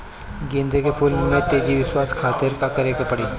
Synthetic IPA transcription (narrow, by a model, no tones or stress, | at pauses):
ɡẽːnd̪ʱekepʰʊlmːẽt̪eːd͡ʒiʋɪswaːskʰaːt̪ɪɾkakɐɾekepɐɽiː